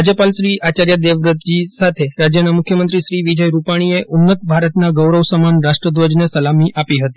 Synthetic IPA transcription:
ad͡ʑəpalɕɾiːʔat͡ɕaɾjad̪eʋɾət̪̚d͡ʑisat̪ʰeɾad͡ʑjənamukʰjəmənt̪ɾiːɕɾiːʋid͡ʑəjɾupaɽ̃ijeʔʔunːət̪̚bʱaɾət̪naɡəwɾəʋsəmanɾaʂʈɾəd̪ʋəd͡ʑnəsəlamiːʔʔapiɦət̪i

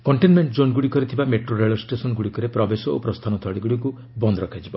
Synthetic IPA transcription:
kɔɳʈenmeɳʈd͡ʒonɡuɽikɔɾit̪ʰibameʈɾoɾeɭɔsʈesɔnɡuɽikɔɾepɾɔbesɔo̰pɾɔst̪ʰanɔt̪ʰɔɽiɡuɽiku | bɔnd̪ɔɾɔkʰad͡ʒibɔ

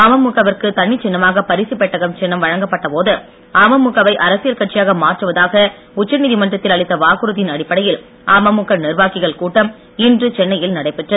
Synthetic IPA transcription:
aːmɐmːʊkːɐʋɐrkɯt̪ɐɳːɪt͡ʃːɪnːɐmaːɣɐpɐɾɪsipːɛʈːɐɣɐmt͡ʃɛnːɐmʋɐɻɐŋɡɐpːɐʈːɐpoːðɯ | aːmɐmːʊkːɐʋɐɪʔɐɾɐsɪjɐlkɐʈt͡ʃɪjaːɣɐmaːʈrɯʋɐðaːɣɐ | ʊt͡ʃːɐniːðimɐndrɐt̪ːɪlɐɭɪt̪ːɐʋaːɣɯɾɯðɪnɐɽɪpːɐɽɐjɪl | aːmɐmːʊkːɐnɪrʋaːkɪɣɐɭkuːʈːɐm | ɪndrɯt͡ʃɛnːɐjɪlnɐɽɐɪpːɛʈrɐðɯ

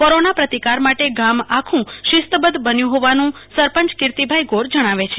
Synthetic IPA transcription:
koɾonapɾət̪ikaɾmaʈeɡamakʰũʃɪst̪bəd̪bənjũɦoʋanũsəɾpəɲt͡ʃkɪɾt̪ibʱajɡoɾd͡ʒəɽ̃aʋet͡ʃʰe

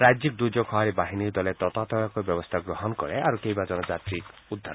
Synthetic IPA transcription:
ɾad͡ʒik̚d̪ud͡ʒɔkʰɔɦaɾibaɦinid̪ɔlet̪ɔt̪at̪ɔjakɔbjɔbɔst̪ʰaɡɾɔɦɔnɔkɔɾeaɾukejbad͡ʒɔnɔd͡ʒat̪ɾikud̪ʱːa

